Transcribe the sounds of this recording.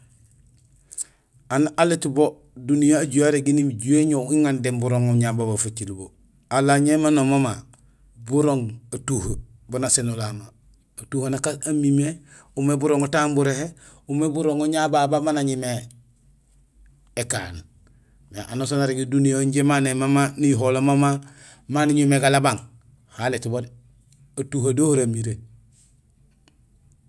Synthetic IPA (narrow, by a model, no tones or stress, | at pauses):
analetbo | dunijaaɟujaɾeɡinimiɟueɲoiŋandembuɾoŋoɲababafat͡ʃilbo | alaɲemanomoma | buɾoŋatuhəbunasenulamaː | tuhanakaamime | umebuɾoŋotambuɾehe | umebuɾoŋuɲababamanaɲime | eka̰ːn | mḛʔa̰nosonaɾiɡedunijoɲɟemanemamaniɦolomama | maniɲumeɡalabaŋ | haletibod | atuhadohoɾamiɾe